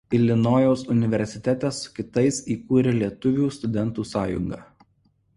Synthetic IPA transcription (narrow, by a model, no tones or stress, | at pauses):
ɪlʲɪnoːjɛʊsʊnʲɪʋʲɛɾʲsʲɪt̪ʲæt̪ʲɛsːʊ̥kʲɪt̪ɐɪsiːkuːɾʲɛlʲiɛt̪ʊʋʲuːst̪ʊd̪ʲɛnt̪uːsɑːjʊ̰ŋɡɑ̰ː